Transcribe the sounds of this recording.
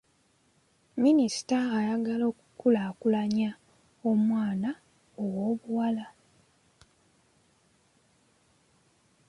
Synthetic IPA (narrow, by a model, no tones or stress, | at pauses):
minisi̥taːjaɡalo̞ːkukulaːkulaɲa | o̞mwaːna | owo̞ːβuwala